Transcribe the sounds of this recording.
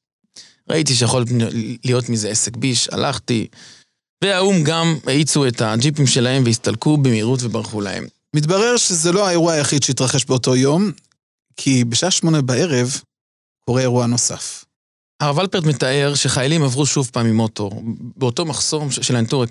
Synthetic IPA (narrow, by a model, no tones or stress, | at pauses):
ʁa̰ʔitiʃ̬ejaχo̞llijo̞tmizeesekbiʃa̰lʔaχti | veaumɡameit͡suethad͡ʒip̬imʃe̞lahe̞mveist̪alkubemiʁutvebaʁχula̰hḛm | mit̪̬baʁeʁʃezeloae̞ʁuaːjaχidʃeit̪ʁaχe̞ʃbeoto̞jo̞m | kʰibeʃaʔaʃmo̞nebae̞ʁev | kʰo̞ʁeeʁuano̞sa̰f | aʁavalpeʁtmetaʔe̞ʁʃeχajalimavʁuʃuvpaːmimo̞to̞ʁbeoto̞maχso̞mʃelant̪oʁek